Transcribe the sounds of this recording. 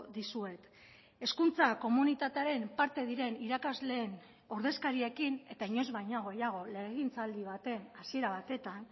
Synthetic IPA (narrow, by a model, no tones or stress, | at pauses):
ðisue̞t̪ | e̞skunt͡sako̞munit̪at̪eaɾe̞mpaɾt̪e̞ðiɾe̞niɾakazle̞ːn | oɾð̞e̞skaɾiekine̞t̪aiɲo̞zβajɲaɣ̞o̞jaɣ̞o̞le̞ɣint͡sald̪iβ̞at̪e̞nasie̞ɾaβ̞at̪e̞t̪an